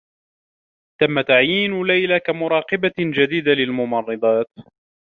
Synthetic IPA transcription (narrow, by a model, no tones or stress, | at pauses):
t̪amːat̪aʕjiːnlajlakamʊɾˤɑːqɨbad͡ʒad̪iːd̪alɪlmʊmɑrˤːɨd̪ˤɑːt̪̚